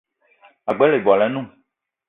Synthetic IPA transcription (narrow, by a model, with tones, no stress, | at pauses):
a˨ɡ͡bɛ˦le˨bɔ˨a˨lɛ˨˦nũ˦˨